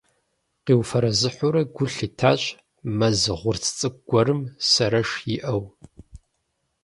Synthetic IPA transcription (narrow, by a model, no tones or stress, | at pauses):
qiːwfɐɾɐzɨħʷʊɾɐɡʷʊɬitʰaːɕʼ | mɐzɨʁʷʊrt͡sʰt͡sʼɨk̚ɡʷɔɾɨmsɐɾɐʂjiʔɐw